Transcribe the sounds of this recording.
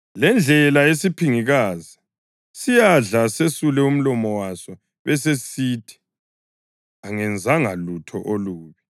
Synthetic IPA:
lɛnd͡ɮʱɛlaesipʰiŋiɣaːzia | sijaɮasesulɛum̩lɔmɔwasɔ | βɛsesiːtʰi̥ | aŋɛnd͡zʱaŋalutʰɔʔoluːβi

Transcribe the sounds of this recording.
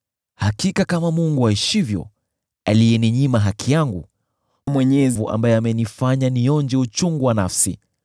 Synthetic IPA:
hakikakamamuŋɡuaiʃivjɔ̰ | alijɛniɲimaɦakʰijaŋɡṵ | mwɛɲɛzvuʔa̰mbajɛamɛnifaɲanijɔnd͡ʒɛut͡ʃuŋɡuwanafsḭ

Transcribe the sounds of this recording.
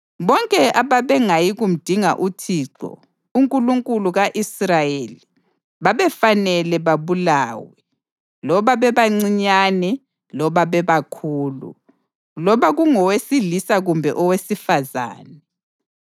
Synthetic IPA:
βɔŋkʼɛʔaβaβɛŋajiɣum̩d̥ʱiŋa̰ʔutʰiːǁɔ̰ | uŋkʼuluŋkʼuluɣaʔisrajeli | βaβɛfanɛlɛβaβulaːwɛ | lɔβaβɛβaŋ͡ǀiɲanɛ | lɔβaβɛβakʰuːlṵ | lɔβaɣuŋɔwesilisaɣumbʱɛʔɔwesifaza̰ːnɛ

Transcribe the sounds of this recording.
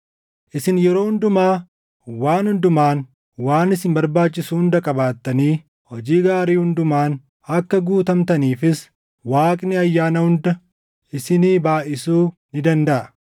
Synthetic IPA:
ʔɪsɪnjɛɾo̞ːhʊnd̪ʊmaː | waːnhʊnd̪ʊmaːn | waːnɪsɪnbɐɾbaːt͡ʃːɪsuːʊnd̪ɐkʼɐbaːt̪ːɐniː | hɔd͡ʒiːɡaːɾiːhʊnd̪ʊmaːn | ɐkːɐɡuːt̪ɐmt̪ɐniːfɪs | waːkʼnɪɐjːaːnɐhʊnd̪ɐ | ɪsɪniːbaːʔɪsuːnɪd̪ɐnd̪ɐʔɐ

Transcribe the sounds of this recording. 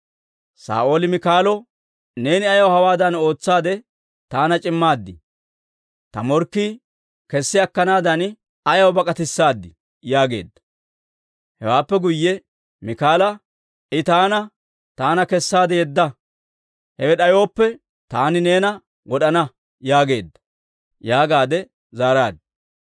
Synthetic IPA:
sa̰ːʔo̞ːlɪmɪkaːlɔ | ne̞ːnɪɐjɐwhɐwaːd̪ɐno̞ːt͡sːaːd̪ɛ | t̪aːnɐt͡ʃʼɪmːaːd̪ːɪ | t̪ɐ̰mɔɾkːi | kɛsːɪɐkːɐnaːd̪ɐn | ɐjɐwbɐkʼɐt̪ɪsːaːd̪ːɪ | jaːɡe̞̰ːd̪ːɐ̥ | hɛ̰waːpːɛɡʊjːɛ | mɪkaːlɐ | ʔɪt̪aːnɐ | t̪aːnɐkɛsːaːd̪ɛjɛd̪ːɐ | hɛwɛɗɐjo̞ːpːɛ | t̪aːnɪneːnɐ | wɔɗɐnɐ | jaːɡe̞̰ːd̪ːɐ̥ | jaːɡaːd̪ɛ | zaːɾaːd̪ɪ̥

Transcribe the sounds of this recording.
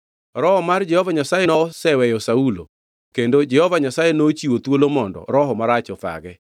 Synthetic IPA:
ɾɔhɔmard͡ʒɛhɔvaɲasajenɔsɛwɛjɔsaulo̰ | kendod͡ʒɛhɔvaɲasajenot͡ʃiwot̪wolomɔndɔ̰ɾɔɦɔmaɾat͡ʃɔfa̰ɡɛ

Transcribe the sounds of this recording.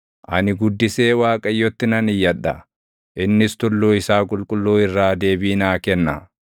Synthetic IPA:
ʔɐ̰nɪɡʊd̪ːɪse̞ːwaːkʼɐjːɔt̪ːɪnɐnɪjːɐᶑːɐ̰ | ʔɪnːɪst̪ʊlːuːɪsaːkʼʊlkʼʊlːuːɪrːaːd̪e̞ːbiːnaːkɛnːɐ

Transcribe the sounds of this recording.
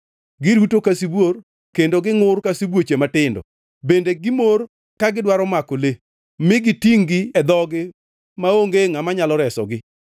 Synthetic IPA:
ɡɪɾutokasibor | kendoɡɪŋʊrkasibwot͡ʃematɪndɔ̰ | bendeɡɪmor | kaɡɪdwaɾɔmakole | mɪɡɪtiŋɡɪɛd̪ɔɡɪ | maoŋɡeŋamaɲalɔɾɛsɔ̰ɡɪ

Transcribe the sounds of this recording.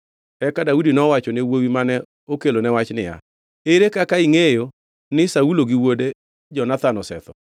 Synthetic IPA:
ɛkadaudinɔwat͡ʃɔnewowimanɛ | okelonɛwat͡ʃnɪja̰ | eɾekakaiŋejo | nɪsauloɡiwode | d͡ʒɔnat̪anɔsɛt̪ɔ

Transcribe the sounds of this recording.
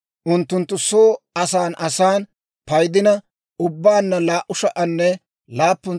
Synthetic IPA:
ʔʊnt̪ːʊnt̪ːʊsoːɐsaːnʔɐsaːn | pɐjd̪ɪnɐ | ʊbːaːnːɐlaːʔʊʃɐʔɐnːɛ | laːpːʊn

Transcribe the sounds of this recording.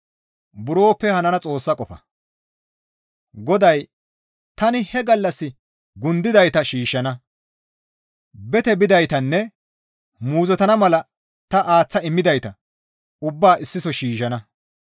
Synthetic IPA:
bʊɾo̞ːpːɛhɐnɐnɐt͡sʼo̞ːsːɐkʼɔfɐ̰ | ɡɔd̪ɐj | t̪ɐnɪhɛɡɐlːɐsːɪ | ɡʊnd̪ɪd̪ɐjt̪ɐʃiːʃːɐnɐ | bɛt̪ɛbɪd̪ɐjt̪ɐnːɛ | muːzɔt̪ɐnɐmɐlɐ | t̪ɐʔaːt͡sːɐɪmːɪd̪ɐjt̪ɐ | ʊbːaːʔɪsːɪsɔʃiːʃɐnɐ

